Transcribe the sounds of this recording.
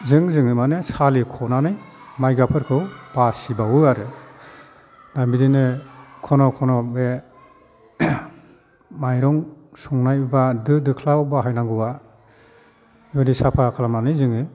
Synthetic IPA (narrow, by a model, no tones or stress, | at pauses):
zɯŋzɯŋɯmanesalikʰɔnanɯjmajɡapʰɯɾkʰɯwb̥asibawɯaɾɯ | nambidinɯkʰɔnɔkʰɔnɔbe | majɾɔŋ | sɔŋnajɯbadɯdɯkʰlawbaɦajnaŋɡɯa | ibadisapʰakʰalamnanɯjzɯŋɯ